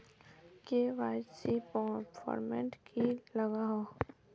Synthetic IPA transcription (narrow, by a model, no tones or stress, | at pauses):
keʋaːsipɔfʰɔ̰ːɾmɛ̃ɳʈkiləɡaɦo